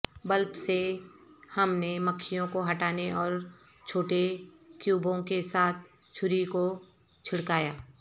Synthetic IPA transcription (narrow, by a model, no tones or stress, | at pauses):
bəlpse | hɐmneməkʰːijõkoɦɐʈaːneʔɔːɾ | t͡ʃʰoːʈekjuːbõkesaːt̪̚ʰ | t͡ʃʰʊɾiko | t͡ʃʰɪɽkaːjaː